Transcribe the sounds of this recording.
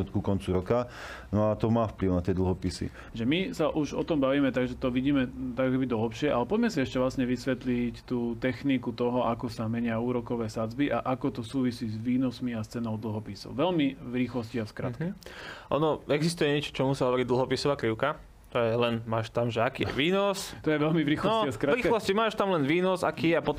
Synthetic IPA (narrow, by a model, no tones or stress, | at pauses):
ut̪kukɔnt͡suɾɔka | nɔat̪ɔmaːfpliʊnat̪ɪɛd̪l̩ɦɔpisḭ | ʒɛmisaʔuʒɔt̪ɔmbaʋiːmɛt̪aɡʒɛt̪ɔʋiɟiːmɛt̪akɔkɛbid̪ɔɦɛpʃɪɛʔa̰lɛpɔɟmɛsiɛʃcɛʋlasɲɛʋisʋɛt̪lict̪uːt̪ɛxnikut̪ɔɦɔʔakɔsamɛɲɪauːɾɔkɔʋɛːsad͡zbiʔaʔakɔt̪ɔsuːʋisiːzʋiːnɔsmiast͡sɛnɔʊd̪l̩ˠɦɔpiːsɔ̰ʊʋɛlmiʋɾiːxlɔsciaskɾa̰t̪kɛʔɔ̰nɔɛɡzist̪ujɛɲɛt͡ʃɔ̥t͡ʃɔmusiɦɔʋɔɾiɟ̚d̪l̩ˠɦɔpisɔʋaːkliʊka | t͡ʃɔjɛlɛnmaːʃt̪amʒɛakiːjɛ̰ʋiːnɔst̪ɔjɛʋɛlmiʋɾiːxlɔaskɾaɾiːklɔscimaːʃt̪amlɛnʋiːnɔzakiːjɛapɔt̪